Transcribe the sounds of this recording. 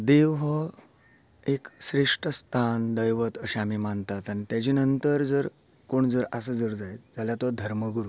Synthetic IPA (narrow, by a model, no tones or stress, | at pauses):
d̪eʋɦə | ekɕɾeʂʈəst̪ʰand̪əjʋət̪əɕaamiːmant̪at̪anit̪jad͡ʑiːnənt̪əɾd͡zəɾ | koɳd͡zəɾasəd͡zəɾd͡zajd͡zaljat̪ɔd̪ʱəɾməɡuɾu